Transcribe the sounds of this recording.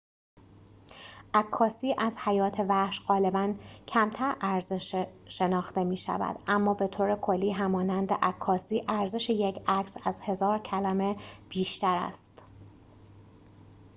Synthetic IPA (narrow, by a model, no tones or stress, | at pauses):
ʔækʰːɒːsiːʔæzhæjɒːt̪ʰe̞væhʃɢɒːle̞bæncʰæmt̪ʰæɾʔæɾzeʃʃe̞nɒːxt̪e̞miːʃæ̰væ̰d̪̥ʔæmːɒːbe̞t̪ʰoːɾekʰo̞lːiːɦæmɒːnænd̪ḛʔækʰːɒːsiːʔæɾze̞ʃejecʰækʰsæzhe̞zɒːɾcʰælæme̞b̥iːʃt̪æɾæ̰st̪